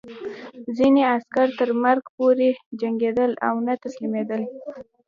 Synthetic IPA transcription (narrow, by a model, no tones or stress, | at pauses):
zineaskaɾt̪əɾmaɾɡpoɾed͡ʒaŋɡed̪əla̰wnat̪aslimed̪əl